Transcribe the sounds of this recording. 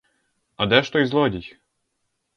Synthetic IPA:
ɐd̪ɛʃt̪ɔizlˠɔdʲijʲ

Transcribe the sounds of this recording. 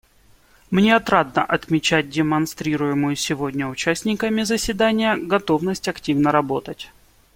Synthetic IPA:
mnʲeɐt̪ɾad̪nə̰ʔɐt̪mʲɪt͡ɕæt̚ʲdʲɪmɐnst̪ɾʲiɾʊjɪmʊjʊsʲɪvo̞dʲnʲəʊt͡ɕæsʲtʲnʲɪkəmʲɪzəsʲvʲɪd̪anʲɪjəɡɐt̪o̞vnəsʲtʲɐktʲivnəɾɐbo̞t̪ətʲ

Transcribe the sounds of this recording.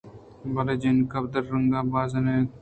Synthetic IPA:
bɐled͡ʒenkɐb̚d̪əɾːəŋɡaːbaːzɐne

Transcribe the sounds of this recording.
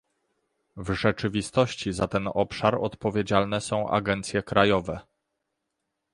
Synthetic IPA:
vʐɛt͡ʂɘvʲist̪ɔɕt͡ɕizat̪ɛnɔpʂaɾɔ̰t̪pɔvʲjed͡ʑalnɛsɔ̃w̃ʔa̰ɡɛnt̪sʲjɛkɾajɔvɛ

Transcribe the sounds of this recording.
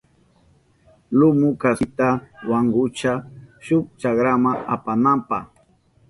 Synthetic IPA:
lʊmʊkasɪt̪awaŋɡʊt͡ʃaʃʊk̚t͡ʃakɾamaa̰panampaχ

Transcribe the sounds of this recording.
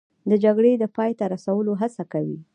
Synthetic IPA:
d̪əd͡ʒaɡɽed̪əpɑjt̪aɾasawəloɦasakawḭ

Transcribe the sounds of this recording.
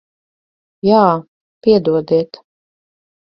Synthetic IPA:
jaː | piɛd̪uɔd̪iɛt̪

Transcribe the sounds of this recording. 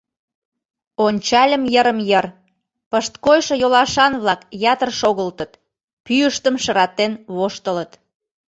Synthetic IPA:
onʲt͡ɕɑlʲə̆mjəɾəmjər | pəʃt̪kojʃɤ̆jolɑʃɑnβlɑkjɑt̪ərʃoɣəlt̪ə̆t̪ | pyəʃt̪əmʃəɾɑt̪enβoʃt̪ələt̪

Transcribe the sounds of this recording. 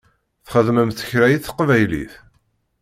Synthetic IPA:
θχəðməmθə̥çɾæjiθəqvæjlḭθ

